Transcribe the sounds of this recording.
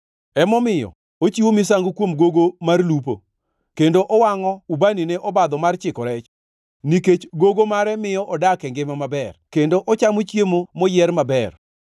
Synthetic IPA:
ɛmɔmɪjɔ̰ | ot͡ʃiwomɪs̬aŋɡokwomɡoɡomarlup̬o | kendoʔɔwaŋɔubanineʔɔbad̪ɔmart͡ʃɪkɔɾɛt͡ʃ | niket͡ʃɡoɡomaɾɛmɪjɔʔɔdakɛŋɡɪmamabɛrkendoʔɔt͡ʃamot͡ʃjemomɔjɛrmabɛr

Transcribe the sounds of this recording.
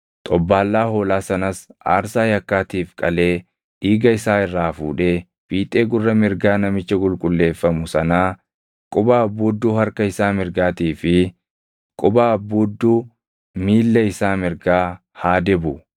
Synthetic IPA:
t̪ʼɔbːaːlːaːhoːlaːsɐnɐsa̰ːɾsaːjɐkːaːt̪iːfkʼɐle̞ː | ʔiːɡɐɪsaːɪrːaːfṵːᶑe̞ː | b̥iːt̪ʼe̞ːɡʊrːɐmɪɾɡaːnɐmɪt͡ʃːɐkʼʊlkʼʊlːe̞ːfːɐmʊsɐnaː | kʼʊbaːɐbːuːd̪ːuːhɐɾkɐɪsaːmɪɾɡaːt̪iːfɪ | kʼʊbaːɐbːuːd̪ːuː | miːlːɐɪsaːmɪɾɡaː | haːd̪ɛbʊ

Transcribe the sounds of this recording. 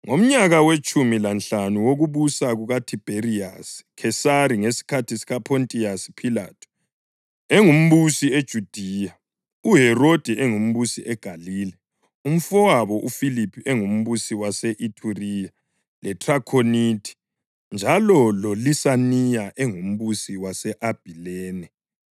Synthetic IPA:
ŋom̩ɲaɣawet͡ʃʼumilanɬanuwoɣuβusaɣuɣatʰib̥ʱeriaskʰɛsaɾiŋesi̥kʰatʰisiɣapʰontʼiasi̥pʰila̰tʰu̥ | ɛŋum̩βusied̥ʒ̥ʱud̥ʱija | uɦɛrod̥ʱɛʔɛŋum̩βusiʔɛɡ̥ʱaliːlɛ | um̩fɔwaβɔʔufilipʰiʔɛŋum̩βusiwasɛʔitʰuria | lɛtʰʼrakʰonitʼʰi̥ | nd͡ʒʱalɔlolisanijaʔɛŋum̩βusiwasɛʔab̥ʱilɛːnɛ

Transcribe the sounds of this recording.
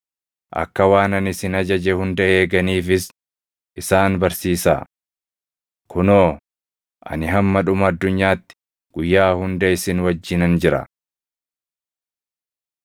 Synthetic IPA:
ʔɐ̰kːɐwaːnɐnɪsɪnɐd͡ʒɐd͡ʒɛhʊnd̪ɐeːɡɐniːfɪs | ʔɪsaːnbɐɾsiːsa̰ː | kʰʊnoː | ʔɐ̰nɪɦɐmːɐᶑʊmɐɐd̪ːʊɲːaːt̪ːɪ̥ | ɡ̥ʊjːaːhʊnd̪ɐɪsɪnwɐd͡ʒːɪnɐnd͡ʒɪɾɐ̰

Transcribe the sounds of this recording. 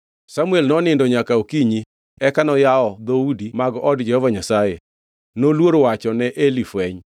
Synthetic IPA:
samuɛlnɔnɪndoɲakaokiɲi | ɛkanɔjaɔd̪oudimaɡʔɔdd͡ʒɛhɔvaɲasaje | nolwoɾowat͡ʃɔnɛʔelifwɛɲ

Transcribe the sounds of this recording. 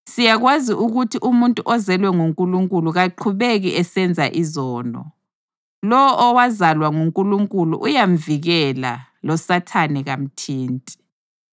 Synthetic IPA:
sijaɣwaziʔuɣutʰiʔumuntʼuʔɔzɛlwɛŋuŋkʼuluŋkʼuluɣaǃʰuβeɣiʔɛsɛnd͡zʱa̰ʔizɔːnɔ̰ | lɔwʔɔwazalwaŋuŋkʼuluŋkʼulṵʔujam̩viɣɛla̰lɔsatʰanɛɣam̩tʰiːntʼi̥

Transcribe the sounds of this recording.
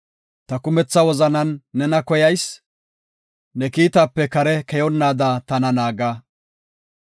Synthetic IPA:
t̪ɐkʊmɛt͡sːɐwɔzɐnɐnːɛnɐkɔjɐjs | nɛkiːt̪ɐpːɛkɐɾɛkɛjɔnːaːd̪at̪ɐnɐnaːɡaː

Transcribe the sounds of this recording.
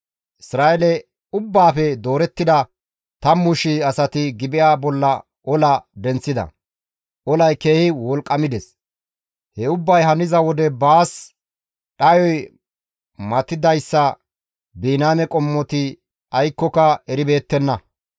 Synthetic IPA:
ʔɪsɾaːʔɛlɛ | ʊbːaːfɛd̪o̞ːɾɛt̪ːɪd̪ɐ | t̪ɐmːʊʃɪɐsɐt̪ɪɡɪbɪjaːbɔlːɐ | ʔɔlɐd̪ɛnt͡sːɪd̪ɐ̰ | ʔɔlɐjke̞ːhɪwɔlkʼːɐmɪd̪ɛs | hɛʊbːɐjhɐnɪzɐwɔd̪ɛbaːs | ɗɐjɔj | mɐt̪ːɪd̪ɐjsːɐ | biːnaːmɛkʼɔmːɔt̪ɪ | ɐjkːɔkɐɛɾɪbe̞ːt̪ːɛnːɐ

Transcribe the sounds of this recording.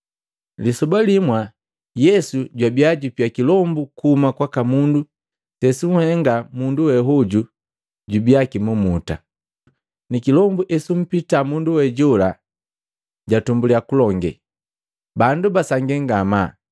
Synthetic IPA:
lisɔbalimwa | jɛsuɟwabiaɟupiakilɔmbukuhːmakwakamundu | tɛsuŋ̩hɛŋɡamunduwɛɦɔɟu | ɟubiakimumuta̰ | nikilɔmbuʔɛsum̩pitamunduwɛɟɔla | ɟatumbuliakulɔŋɡɛ̰ | bandubasaŋɡɛŋɡama

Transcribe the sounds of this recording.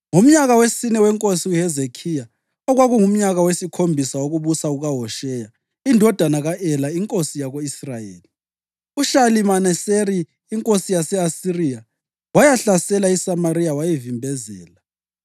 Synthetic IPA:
ŋum̩ɲaɣawesinɛwɛŋkʼosiwuɦɛzekʰija | ɔɣwaɣuŋum̩ɲaɣawesikʰombʱisawoɣuβusauɣaɦɔʃɛja | indʱɔd̥ʱanaɣaʔɛlaiŋkʼosijaɣoisrajeːli | uʃalimanɛseɾiː | ŋkʼosijasɛasirija | wajaɬasɛlaisamaɾijawajivimbʱɛzɛːla

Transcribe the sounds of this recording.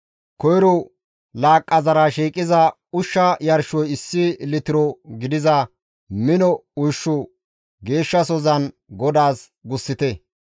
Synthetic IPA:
kɔjɾɔ | laːkʼːɐzɐɾɐʃiːkʼːɪzɐ | ʊʃːɐjɐɾʃɔjɪsːɪlɪt̪ɪɾɔɡɪd̪ɪzɐ | mɪnɔʊjʃːʊ | ɡe̞ːʃːɐsɔzɐn | ɡɔd̪aːs | ɡʊsːɪt̪ɛ

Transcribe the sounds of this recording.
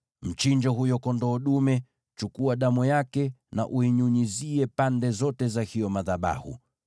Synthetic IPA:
m̩t͡ʃiɲd͡ʒɔɦujɔkɔndɔːɗumɛ | t͡ʃukuaɗamujakɛna̰ʔuiɲuɲiziɛpandɛzɔtɛzahiɔmaðaɓa̰hṵ

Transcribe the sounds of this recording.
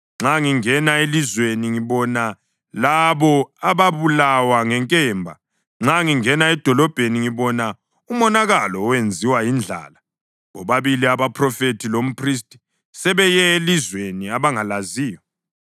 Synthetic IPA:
ŋ͡ǁaŋiŋɛnaelizweniŋiβɔna | laβɔaβaβulawaŋɛŋkʼɛːmbʱa̰ | ŋ͡ǁaŋiŋɛnaɛd̥ʱɔlɔb̥ʱeniŋiβɔna | umɔnaɣalɔːwend͡zʱiwajind͡ɮʱa̰ːla | ɣɔβaβiliaβapʰrɔfetʰilom̩pʰris̬tʼi̥ | sɛβɛjɛelizweniaβaŋalaziːjɔ

